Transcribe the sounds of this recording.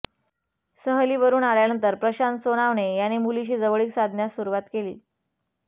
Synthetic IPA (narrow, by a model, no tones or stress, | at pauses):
səɦliːʋəɾuːnaljanənt̪əɾpɾəɕansonaʋɳejanemuliɕiːd͡zəʋəɭiːksad̪ʱnjasuɾuʋat̪kelḭː